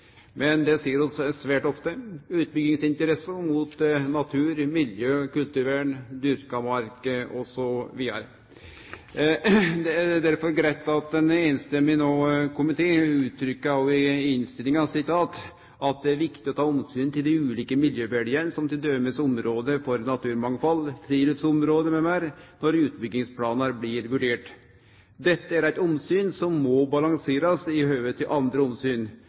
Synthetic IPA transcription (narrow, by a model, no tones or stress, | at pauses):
mɛnd̪ɛsiːəɾɔssʋæːʈɔft̪əʉːt̪̚bʏɡɪŋsɪnt̪əɾɛsːəmut̪nɑt̪ʰʉːɾmɪljøːkʉlt̪ʉɾʋeːɳd̪ʏɾkɑmɑɾkəɔsɔʋiːd̪ɑ̰ɾə | d̪ɛd̪æɾfɔɾɡɾæt̪ːɑt̪ɛnenst̪ɛmːɪnɔkʰʊmɪt̪ʰeːʉːt̪ʰːɾʏkːəɑʋɪɪnst̪ɪlɪŋɑsɪt̪ʰɑːt̪ | ʔɑt̪̚d̪ɛæɾʋɪkt̪ɪɔt̪ʰɑːɔmsyːnt̪ɪld̪ɪʉːliːkəmɪljøːʋæɖɪənsɔmt̪ɪld̪øːməsɔmɾoːd̪əfɔɾnɑt̪ʰʉːɾmɑŋfɑlt̪ʰɾiːlət̪sɔmɾoːd̪əmɛmæɾnɔɾʉːt̪bʏɡ̪ːɪŋspʰlɑːnəɾblɪɾʋʉɖeːʈ | d̪ɛt̪ːəæɾæɪt̪ɔmsyːnsɔmːɔbɑlɑŋseːɾɑsɪhøːʋət̪ʰːɪlʔɑnd̪ɾəɔmsyːn